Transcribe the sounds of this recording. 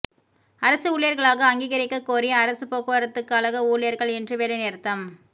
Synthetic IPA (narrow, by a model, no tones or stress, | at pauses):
ɐɾɐsɯuːɭɪjɐɾɣɐɭaːɣɐɐŋɡiːɣɐɾɪkːɐkːoːɾɪjɐɐɾɐsɯpoːɣɯːɐɾɐt̪ːɯkːɯɐlɐɣɐuːlɪjɐɾɣɐɭɛndrɯʋeːlɐneːɾɯt̪ːɐm